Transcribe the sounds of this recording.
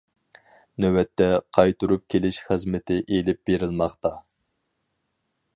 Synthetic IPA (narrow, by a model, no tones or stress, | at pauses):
nøwɛt̪ʰːɛqʰɑjt̪uɾup̚kʲʰelɪʃχəzmɪt̪ʰɪʔelɪp̚b̥eɾɪlˠmɑχt̪ɑ